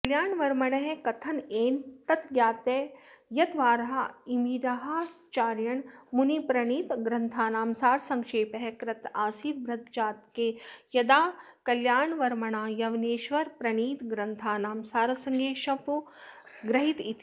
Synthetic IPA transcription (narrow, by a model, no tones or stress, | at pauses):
kɐljaːɳʋɐɾmɐɳɐɦekɐt̪ʰɐneːnt̪ɐt̪ɡjaːt̪ejɐt̪ʋaːɾɐɦɐimiɾɐɦɐt͡ʃaːɾjɐɳmunipɾɐɳiːt̪ɡɾɐnt̪ʰaːnaːmsaːɾsɐŋkʃeːpɦekɾɐt̪aːsiːt̪̚bɾɐt̪̚d͡ʒaːt̪̚kejɐd̪aː | kɐljaːɳʋɐɾmɐɳaːjɐʋneːʃʋɐɾpɾɐɳiːt̪ɡɾɐnt̪ʰaːnaːmsaːɾɐsɐŋɡeːʃɐpu | ɡɾɐɦit̪it̪